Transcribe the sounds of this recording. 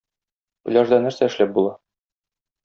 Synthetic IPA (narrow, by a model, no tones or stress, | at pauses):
bɘ̆lʲɑʒd̪ɑnæɾsæɘ̆ʃlæp̚bulˠɑ